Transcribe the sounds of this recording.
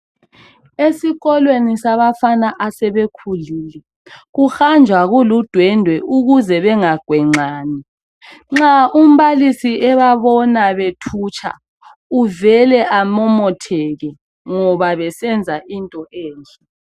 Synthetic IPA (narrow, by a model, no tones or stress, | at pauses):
esiɣɔlwenisaβafanaʔasɛβekʰuliːlɛ | ɣuxand͡ʒʱwaɣulud̥ʱwɛndʱwɛʔuɣuzɛβɛŋaɡ̥ʱwɛŋ͡ǀaːni | ŋ͡ǁaum̩βalisiʔɛβaβɔnaβetʰuːt͡ʃʰʼa̰ | uvɛlɛʔamɔmɔtʰɛɣɛ | ŋɔβaβɛsɛnd͡zʱaʔintʼɔʔɛːnd͡ɮʱʼɛ